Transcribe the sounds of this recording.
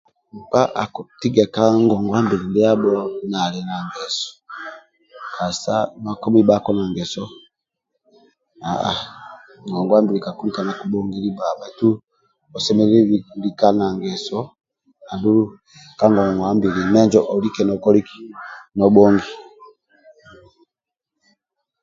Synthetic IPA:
m̩˨pa˦ʔa˨kɔ˨ti˦ɡa˨ka˦ŋɡɔ˨ŋɡwa˦mbi˨ɾi˨ndi˦a˦bɔ˦na˨lɛ˨na˨ŋɡɛ˨sɔ̥˨ | kʰa˨sa˦ma˦kɔ˦mi˦ba˦kɔ˦na˨ŋɡɛ˨sɔ˦ | a˨a̰˨ | ŋɡɔ˨ŋɡwa˦mbi˨ɾi˨ka˨ku˦ɾi˦ka˨na˨ku˨ɓɔ˦ŋɡi˦li˦ba˨ba˨tu˦ | ɔ˨sɛ˦mɛ˦li˦βi˨ku˨li˨ka˦na˨ŋɡɛ˨sɔ˦ | a˨ndu˦ɾu˦ | ka˦ŋɡɔ˨ŋɡwa˦mbi˨ɾi˨mɛ˦ɲd͡ʒɔ˦ʔɔ˨li˦kɛ˨nɔ˨kɔ˦li˦ki˨˦nɔ˨ɓɔ˦ŋɡi˨

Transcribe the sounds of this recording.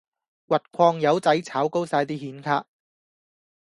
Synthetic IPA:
wɐ˨t̚kʷʰɔː˧ŋjɐ˨˧wt͡sɐ˨˥jt͡sʰaː˨˥wko˥wsaː˧jt̪iː˥hiː˨˥nkʰaː˧k̚

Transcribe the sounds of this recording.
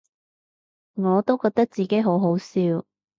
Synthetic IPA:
ŋɔː˨˧t̪o˥wkɔː˧k̚t̪ɐ˥k̚t͡siː˨ke˨˥jɦo˨˥wɦo˨˥wsiː˧w

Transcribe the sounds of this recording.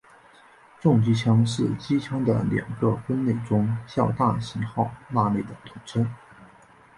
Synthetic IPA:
ʈ͡ʂʊ˥˧ŋt͡ɕi˥t͡ɕʰjɑ˥ŋʂɻ̩˥˩t͡ɕi˥t͡ɕʰɑ˥ŋd̪ə̰˨ljɑ̰˨˩ŋɡə˧fə˥nne˥˩ɪʈ͡ʂʊ˥ŋɕjɑ˥˧ʊt̪a˥˩ɕi˧˥nxɑ˥˧˩ʊna˥˧le˥˩ɪd̪ə˩t̪ʰʊ˧˥ŋʈ͡ʂʰə˥n

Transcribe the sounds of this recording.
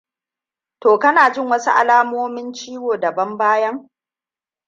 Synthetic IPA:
toː˨kɐ˦naː˨d͡ʒɪ˦˨ŋwɐ˦su˦ʔa̰˨laː˦moː˦mɪ˦nt͡ʃiː˦woː˨dɐ˨bɐ˦mbaː˦jɐ˦ŋ

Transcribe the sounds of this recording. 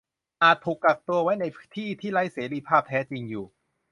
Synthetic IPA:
ʔaː˨˩t̪ʰːuː˨˩kːa˨˩k̚t̪u˧ɐwa˦˥jna˧jʰt̪ʰiː˥˩t̪ʰiː˥˩ɾa˦˥jseː˩˦ɾiː˧pʰaː˥˩p̚t̪ʰɛː˦˥t͡ɕi˧ŋjuː˨˩

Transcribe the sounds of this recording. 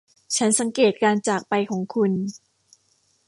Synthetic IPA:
t͡ɕʰa˦˥nsa˩˦ŋkeː˨˩t̪̚kaː˧nt͡ɕaː˨˩k̚pa˧jkʰɔː˩˦ŋkʰu˧n

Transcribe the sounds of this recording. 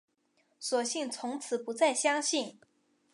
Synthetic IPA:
sɔ˨˩ɕi˥˩ŋt͡sʰʊ˧˥ŋt͡sʰɹ̩˨˩pu˧˥t͡sa˥˩ɪɕjɑ˥ŋɕi˥˩n

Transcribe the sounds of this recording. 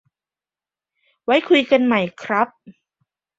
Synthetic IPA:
wa˦˥jkʰu˧jka˧nma˧˥˩jkʰɾa˦˥p̚

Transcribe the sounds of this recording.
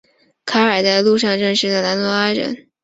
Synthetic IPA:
kʰa˧˥ə˞˨˩t͡sa˥˧ɪlu˥˧ʂ̬ɑ˥˧ŋʈ͡ʂə˥˧ŋʂɻ̩˥d̪ə˩na˧˥nt̪wɔ˧˥a˥ɻə̰˧˥n

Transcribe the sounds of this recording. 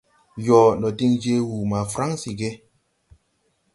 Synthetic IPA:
jɔː˨nɔ˨ti˦ŋd͡ʒe˦wu˨ma˨fɾa˦ŋsi˨ɡe˦

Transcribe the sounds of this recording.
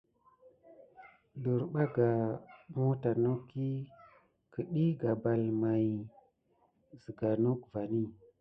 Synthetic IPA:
du˨ɾɓa˦ɡa˨mo˦ta˨nu˦kːi˦ | kə˨ɗi˦ɡa˨ba˨lma˨j | zi˨ɡa˨nu˦kva˨ni˦

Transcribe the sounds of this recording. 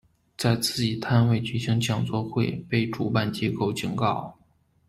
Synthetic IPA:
t͡sa˥˧ɪt͡sɹ̩˥˩t͡ɕi˨˩t̪ʰa˥nwe˥˩ɪt͡ɕy˨˩ɕi˧˥ŋt͡ɕʰjɑ˨˩ŋt͡swɔ˥˧xwe˥˧ɪpe˥˩ɪʈ͡ʂu˨˩pa˥˩nt͡ɕjɛ˥ko˥˩ʊt͡ɕi˨˩ŋkɑ˥˩ʊ

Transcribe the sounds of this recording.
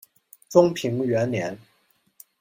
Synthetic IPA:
t͡sʊ˥ŋpʰi˧˥ŋɥɛ˧˥nljɛ˧˥n

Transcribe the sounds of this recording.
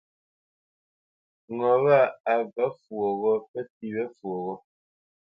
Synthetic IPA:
ŋɔ˨ɣa˦˨a˨ba˨˦fwɔ˨ɣɔ˦pɛ˦ti˨βɛ˦fwo˨ɣɔ˦

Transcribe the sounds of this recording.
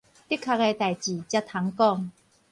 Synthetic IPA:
t̪i˥kʰːa˧ke˧t̪a˨˩jt͡ɕi˨˩t͡ɕja˦˧t̪ʰa˨˦ŋkɔ˥˨ŋ

